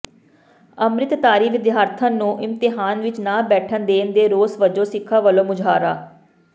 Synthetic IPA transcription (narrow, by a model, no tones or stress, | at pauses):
əmɾɪt̪t̪aːɾiːʋɪd̪jaːɾt̪ʰə̃ːnũːʔɪmt̪ɪɦaːnʋɪt͡ʃnaːbɛːʈʰənd̪eːnd̪eːɾoːsʋəd͡ʒoːsɪkʰːaːʋəlõːmʊd͡ʒʱaːɾaː